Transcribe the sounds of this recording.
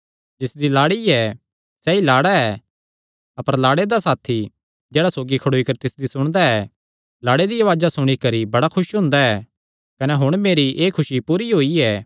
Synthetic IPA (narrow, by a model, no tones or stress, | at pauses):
d͡ʒɪsd̪ilaːɽiɛ | sɛilaːɽaɛ | ɐpəɾlaːɽed̪asaːt̪ʰi | d͡ʒɛːɽasoːɡikʰɐɽoːikɐɾt̪ɪsd̪isʊɽ̃d̪aɛ | laːɽed̪iɐʋaːd͡ʒasʊɽ̃ikɐɾibɐɽakʰʊʃɦʊ̃ːnd̪aɛː | kɐnɛɦʊɽ̃meːɾiʔeːkʰʊʃipuːɾiɦoːiɛː